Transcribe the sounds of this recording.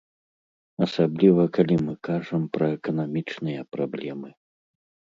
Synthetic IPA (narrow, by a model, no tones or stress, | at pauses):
ɐsablʲivɐkalʲimɨkaʐɐmpɾɐɛkɐn̪amʲit͡ʂnɨjɐpɾablʲɛmɨ